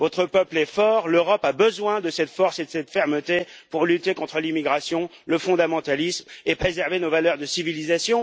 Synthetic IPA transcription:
vɔt̪χəpœplɛfɔːʁløʁɔpabəzwɛ̃d̪əsɛt̪fɔʁsed̪əsɛt̪fɛʁmət̪epuʁlyt̪ekɔ̃t̪χəlimiɡʁasjɔ̃ləfɔ̃d̪amɑ̃t̪alismepχezɛʁvenovalœʁd̪əsivilizasjɔ̃

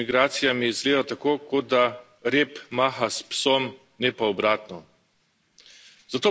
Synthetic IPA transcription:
iɡɾaːt̪sijamijɛizɡleːd̪at̪akoːkod̪a | ɾeːpmaːxaspsom | nɛpaɔbɾaːt̪nɔ | z̥at̪oː

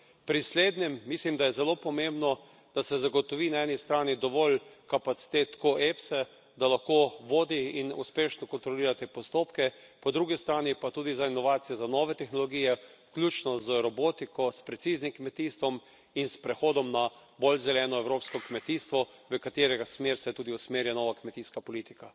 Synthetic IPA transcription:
pɾisleːd̪nʲɛmːislimd̪ajɛzɛloːpɔmẽmbnɔ | d̪̥asɛzaɡot̪ɔʋiːnaɛːnist̪ɾaːnid̪ɔʋɔlkapat̪si̥t̪et̪koʔepsɛ | d̪alaxkoːʋoːd̪iinṵspeːʃnɔkɔnt̪ɾɔliːɾat̪epɔst̪oːpkɛpɔd̪ɾuɡist̪ɾaːnipat̪uːd̪izainɔʋaːt̪sijɛzanɔʋɛt̪ɛxnɔlɔɡiːjɛklʲuːt͡ʃnɔzɾɔbot̪ikʰɔspɾɛt̪siːznimkmɛt̪iːst̪ʋɔm | inspɾɛxoːd̪ɔmna | bolzɛlɛːnɔɛwɾoːpskɔkmɛt̪ist̪ʋɔ | ʋəkat̪eːɾɛɡasmeːɾsɛt̪uːd̪iusmeːɾjanɔːʋakmɛt̪iːskapɔlit̪i̥ka

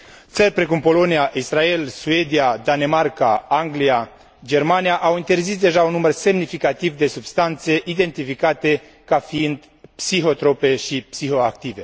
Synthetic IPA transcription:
t̪sərʲpɾe̞kumpo̞lo̞niaʔisrae̞lsue̞d̪iad̪ane̞markaaŋɡlia | d͡ʒe̞rmanijaʔawint̪e̞rzisd̪e̞ʒaunːumərse̞mnifikat̪ivd̪e̞subst̪ant̪se̞ʔid̪e̞nt̪ifikat̪e̞ | kafiind̪ | psiɦo̞t̪ɾo̞pe̞ʃipsiɦo̞ak̚t̪ive̞

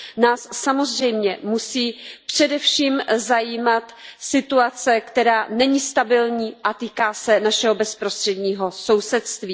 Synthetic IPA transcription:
naːsːamo̞zr̝ɛjmɲɛmusiːpr̝̥ɛdɛfʃiːmzajiːmat̪sɪt̪uat͡sɛkt̪ɛɾaːnɛɲist̪abɪlɲiːʔat̪iːkaːsɛnaʃɛɦobɛspɾost̪r̥ɛdɲiːɦo̞so̞wsɛt̪st̪viː

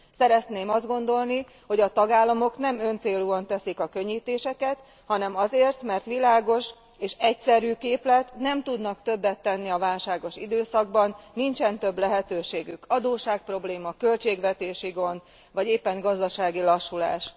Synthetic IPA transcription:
sɛɾɛt̪neːmɒzd̪ɡo̞nd̪o̞lni | ho̞ɟɒt̪ɒɡaːlːɒmo̞knɛmø̞nt̪seːluːɒnt̪ɛsikɒkø̞ɲːiːt̪eːʃɛkɛt̪ | hɒnɛmɒzeːrt̪mɛrt̪ʋilaːɡo̞ʃ | eːʃɛcsɛɾyːkeːplɛt̪nɛmt̪ud̪nɒkt̪ø̞bːɛt̪ːɛnːiɒvaːlʃaːɡo̞ʃḭd̪øːsɒɡ̚bɒnːint͡ʃɛnt̪ø̞blɛɦɛt̪øːʃeːɡykɒd̪oːʃaːk̚pro̞bleːmɒkø̞lt͡ʃeːɡʋɛt̪eːʃiɡo̞nd̪ | ʋɒɟeːpːɛŋɡɒzd̪ɒʃaːɡilɒʃːula̰ːʃ

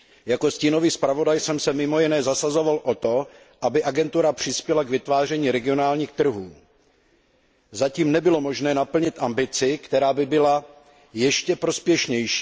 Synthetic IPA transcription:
jako̞sciːno̞viːspɾavo̞dajsɛmsɛmɪmo̞jɪnɛːzasazo̞valʔot̪o̞ | ʔabɪʔaɡɛnt̪uɾapr̝̥ɪspjɛlaɡvɪt̪vaːr̝ɛɲiːɾɛɡɪo̞naːlɲiːxt̪r̩ɦuː | zaciːmnɛbɪlo̞mo̞ʒnɛːnapl̩ɲɪt̪ʔambɪt͡sɪkt̪ɛɾaːbɪbɪla | jɛʃcɛpɾo̞spjɛʃɲɛjʃiː

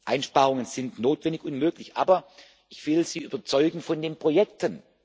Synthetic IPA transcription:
ʔaɪnʃpaːʁ̞ʊŋənz̥ɪntnoːtv̥ɛndɪçʔʊnmøːklɪçʔaːbɐ | ʔɪçv̥ɪlz̥iːʔyːbɐt͡sɔʏɡŋ̩fɔndeːnpʁ̥ojɛk̚tʰən

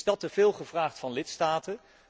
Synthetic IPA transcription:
dɑtəv̥ɪːlˠχəvraːχtfɑnlɪtstaːtə

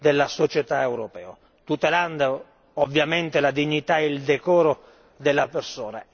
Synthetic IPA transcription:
d̪ɛlːasɔt͡ʃɛt̪aɛwɾɔpɛ̰ːo̰ | t̪ut̪ɛland̪a | ɔvːjamɛnt̪ɪlad̪iɲːit̪aɛild̪ɛkɔːɾo | d̪ɛlːapersɔːna

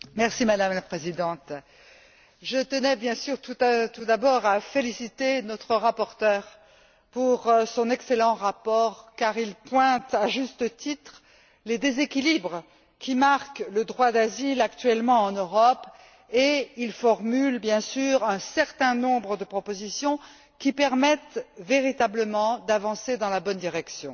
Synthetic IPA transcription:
mɛʁsimad̪amlapχezid̪ɑ̃t̪ | ʒət̪ənɛbjɛ̃syʁt̪ut̪ud̪abɔʁafelisit̪enɔt̪χəʁapɔʁt̪œʁ | puʁsɔ̃nɛkselɑ̃ʁapɔʁkaʁilpwɛ̃t̪aʒyst̪ət̪it̪χ | led̪ezekʲilibʁ | kʲimaʁkləd̪ʁwad̪azilak̚t̪ɥɛlmɑ̃ɑ̃nøʁɔp | eilfɔʁmylbjɛ̃syʁɛ̃sɛʁt̪ɛ̃nɔ̃bʁəd̪əpχɔpozisjɔ̃ | kʲipɛʁmɛt̪veʁit̪abləmɑ̃d̪avɑ̃sed̪ɑ̃labɔnd̪iʁɛksjɔ̃

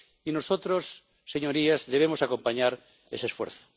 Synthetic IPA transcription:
inosot̪ɾosː | e̞ɲo̞ɾiazðe̞β̞emosako̞mpaɲaɾ | esesfwḛɾθo̥

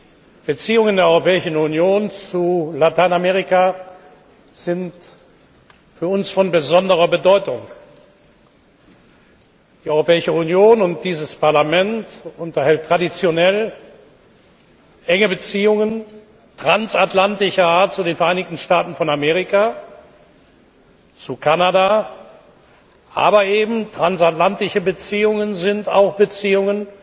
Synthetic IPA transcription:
b̥ət͡siːʊŋəndeːɐɔʏʁopɛːɪʃn̩unjoːnt͡sulatʰaɪnameːʁ̞ika | z̥ɪnt | fyːɐʊnsfɔnbəzɔndəʁɐbədɔʏtʊŋ | d̥iːʔɔʏʁopɛːɪʃəunjoːnʊnt̚d̥iːzəspaɐlamɛntʔʊntɐhɛltːʁ̥adit͡sjonɛl | ʔɛŋəbət͡siːʊŋən | tʁ̥ansatlantɪʃɐaːɐt̚t͡sudeːnfɛɐʔaɪnɪçtn̩ʃtaːtn̩fɔnameːʁ̞ɪka | t͡sukʰanada | ʔa̰ːbɐʔeːbm̩tʁ̥ansatlantɪʃəbət͡siːʊŋənzɪnta̰ʊxb̥ət͡siːʊŋən

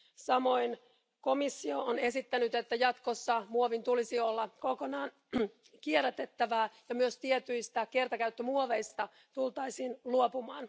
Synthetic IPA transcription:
sɑmo̞in | ko̞misːioone̞sit̪ːænyt̪et̪ːæjɑt̪kosːɑmuoʋint̪ulisiolːɑko̞konɑːn | kieræt̪et̪ːæʋæːjɑmyøst̪iet̪yjst̪ækert̪ɑkæyt̪ːømuoʋeijst̪ɑ | t̪ult̪ɑisiːnluopumɑːn

